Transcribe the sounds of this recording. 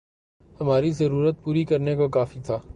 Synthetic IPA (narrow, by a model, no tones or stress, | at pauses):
hɐmaːɾizɐɾuːɾət̪̚puːɾikɐɾnekokaːfit̪ʰaː